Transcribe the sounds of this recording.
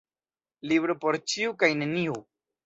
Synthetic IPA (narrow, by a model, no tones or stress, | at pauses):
libɾopoɾt͡ʃiukajne̞niu